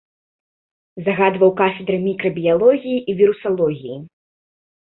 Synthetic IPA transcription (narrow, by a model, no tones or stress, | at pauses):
zaɣad̪vɐwkafʲɛd̪ɾɨmʲikɾɐbʲijalˠɔɣʲijiʔivʲiɾusalˠɔɣʲiji